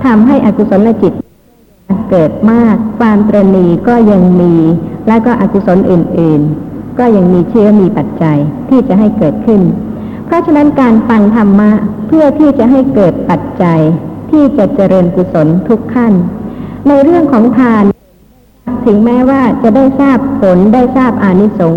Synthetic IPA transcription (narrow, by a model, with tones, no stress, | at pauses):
t̪ʰa˧mɦa˥˩jʔa˨˩ku˧so˩˦nlɛː˧˥t͡ɕi˨˩t̪̚ | kɤː˨˩t̪̚maː˥˩k̚ʰwaː˧mt̪ɾa˧niː˧kɔː˥˩ja˧ŋmiː˧lɛː˦˥wkɔː˥˩ʔa˨˩ku˧so˩˦nʔɯː˨˩nʔɯː˨˩nkɔː˥˩ja˧ŋmiː˧t͡ɕʰɯ˦˥ɐmiː˧pa˨˩t̪̚t͡ɕa˧jt̪ʰiː˥˩t͡ɕa˨˩ɦa˥˩jkɤː˨˩t̪̚kʰɯ˥˩n | pʰɾɔ˦˥t͡ɕʰa˥˧na˦˥nkaː˧nfa˧ŋt̪ʰa˧mːa˦˥pʰɯ˥˩ɐt̪ʰiː˥˩t͡ɕa˨˩ʔɦa˥˩jkɤː˨˩t̪̚pa˨˩t̪̚t͡ɕa˧jt̪ʰiː˥˩t͡ɕa˨˩t͡ɕa˧ɾɤː˧nku˧˩so˩˦nt̪ʰu˦˥kʰːa˥˩nː | a˧jɾɯ˥˩əŋkʰɔː˩˦ŋt̪ʰaː˧n | k̚t̪ʰɯ˩˦ŋmɛː˦˥waː˥˩t͡ɕa˨˩ʔdaː˥˩jsaː˥˩ppʰo˩˦ndaː˥˩jsaː˥˩p̚ʔaː˧ni˦˥so˩˦ŋ